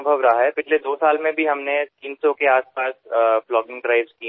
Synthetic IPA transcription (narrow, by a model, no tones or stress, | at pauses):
bʱəʋɾɐɦaɦɛpɪt͡ʃʰled̪oːsaːlmẽbʱiɦɐmnet̪iːnsokeaːspaːsflɔːɡɪ̃ŋɡʈɾaːɪbski